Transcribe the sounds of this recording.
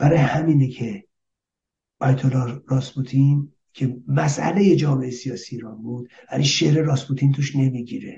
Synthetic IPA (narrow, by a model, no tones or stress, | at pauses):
b̥æɾɒːjehæmiːnecʰe̞ | ɒjt̪ʰolɒɾɒːsbut̪ʰin | cʲʰe̞mæsʔæ̰le̞je̞d͡ʒɒːme̞ʔesijɒːsiːɾɒːnbuːd̪̥væliʃe̞hɾeɾɒːsbut̪ʰiːnt̪ʰuʃne̞miɟiːɾe̞̰